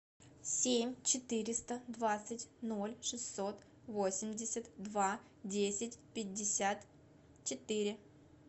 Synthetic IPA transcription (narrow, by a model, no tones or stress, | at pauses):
sʲemʲt͡ɕɪt̪ɨɾʲɪst̪əd̪vat̪sɨtʲno̞lʲʂɨsʲːot̪ | vo̞sʲɪmʲdʲɪsʲət̪d̪va | dʲesʲɪtʲpʲɪdʲːɪsʲat̪ | t͡ɕɪt̪ɨɾʲɪ